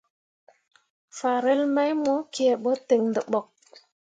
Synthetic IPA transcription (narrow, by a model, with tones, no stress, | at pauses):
fa˨ɾe˦lma˦jmo˦ki˨e˨ɓo˦te˨ŋndə˨ɓɔ˨k̚